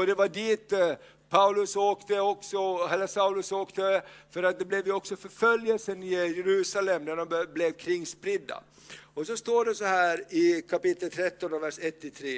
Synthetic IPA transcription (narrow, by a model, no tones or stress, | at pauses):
ɔd̪ɛvaɖiːt̪ | pʰaʉlɵsoːkt̪əɔksɔɦɛlːəsaʊlɵsoːkt̪əfœɾat̪̚d̪ɛblɛvjɔksɔfœɾfœljəlsənɪjɛɾʉ̟ːsalɛmnæɖɔmblɛvkʰɾɪŋːspɾɪd̪ːa̰ | ɔsɔst̪oːɖɛsɔhæːɾɪkʰapɪt̪ːəlt̪ʰɾɛt̪ːɔnɔvæʂɛt̪ːɪt̪ʰɾeː